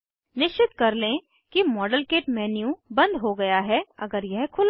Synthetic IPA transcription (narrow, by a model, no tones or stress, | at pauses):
nɪʃt͡ʃɪt̪kɐɾlẽ | kimɔːɖəlkeːʈmɛːnjũbɐ̃nd̪ɦoɡɐjaɦɛɐɡəɾjɛɦkʰʊl